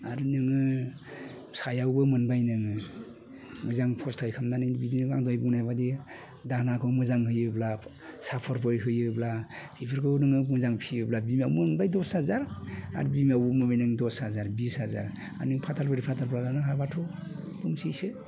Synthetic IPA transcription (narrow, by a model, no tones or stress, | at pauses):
aɾnɯŋɯ | sajawbɯmɯnbajnɯŋɯ | mɯzaŋpʰɔstʰajkʰamnanɯjibidinɯɡaŋdɔjbunajbadi | danakʰɯwmɯzaŋɦɯjɯbla | sapʰɔɾpʰɔɾiɦɯjɯblapʰipʰɯɾkʰɯwnɯŋɯmɯzaŋpʰiɯblabimawmɯnbajdɔshazaɾa̰ɾbimiawmɯbajnɯŋdɔshazaɾbishazaɾ | a̰ɾnɯŋpʰatʰalpʰɯɾipʰatʰalpʰlalanɯɦabatʰɔ | buŋsijsɯ